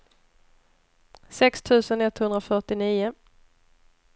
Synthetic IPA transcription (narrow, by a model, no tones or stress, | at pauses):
sɛkst̪ʰʉ̟ːsənɛt̪hɵnd̪ɾafœʈɪniːʊ